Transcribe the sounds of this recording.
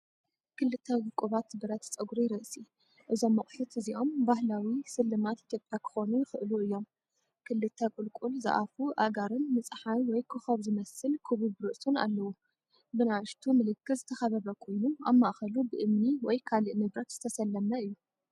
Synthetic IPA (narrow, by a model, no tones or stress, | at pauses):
kʰɨlːɨt̪ʰːɐwʊkʼuβat̪bɨɾɐt̪t͡sʼɐɡuɾiɾɨʔsi | ʔɨzo̞mːɐχʼħut̪ɨziʔo̞mbahlawisɨlːɨmat̪ʔit̪ʰjopʼjakʰɨ̥xo̞nujɪxɨʔɨluɨjːo̞m | kʰɨlːɨt̪ʰːɐkʼɨlkʼulzɨ̰ʔa̰fuʔaɡaɾɨnmɨt͡sʼħanwɔjkʰɨxɐβzɨmɐsɨlkʰɨβɨβɾɨʔsuna̰lːɐwu | bɨnawɨʃt̪ʰumɨlɨkʰːɨzɨt̪ʰɐxɐβɐβɐkʰo̞jnuamːaʔxɐlubɨʔɨmniwɔjkʰalɨʔnɨβɾɐt̪z̥ɨt̪ʰɐsɐlːɐmɐɨjːu